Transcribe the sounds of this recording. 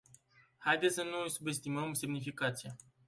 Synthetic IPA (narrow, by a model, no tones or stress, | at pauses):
hajd̪et̪sənujsube̞st̪iməmse̞mnifikat̪sia